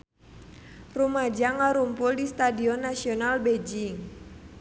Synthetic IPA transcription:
rumad͡ʒaŋaɾumpʊldist̪adiɔnːasiɔnalbed͡ʒiŋ

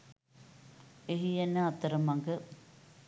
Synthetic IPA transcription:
eɦijenːəat̪əɾəmaŋɡə

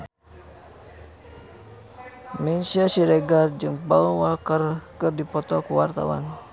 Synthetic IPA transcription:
minsiasiɾɛɡard͡ʒɨŋbalwakərkɨrdipɔt̪ɔkuwart̪a̰wa̰n

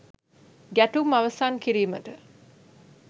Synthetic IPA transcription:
ɡæʈumaʋəsaːnkiɾiːməʈə

